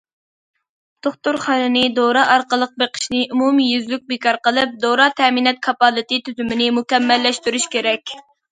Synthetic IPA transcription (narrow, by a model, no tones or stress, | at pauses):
d̪̥oχt̪uɾχælɨnɪd̪oɾɑʔɑɾqəlˠəq̚beqʰə̥ʃnɪʔumumijyzlyk̚ʲbekɑɾqəlˠɨp̚d̪oɾɑt̪ʰɛminɛt̪̚kʰɑpɑlˠɨt̪ɨt̪ʰyzymɪnɪmukʲɛmːɛlːɛʃt̪yɾyʃkʲeɾɛkʲ